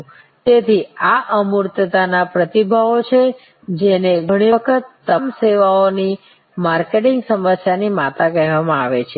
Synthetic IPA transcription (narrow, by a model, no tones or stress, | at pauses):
t̪et̪ʰiaʔəmuɾt̪ət̪anapɾət̪ibʱaot͡ʃʰe | d͡ʒeneɡʱəɽ̃iʋəkʰət̪ːəmseʋaoni | maɾkeʈɪ̃ŋɡsəməsjanimat̪akəɦʋamãaʋet͡ʃʰe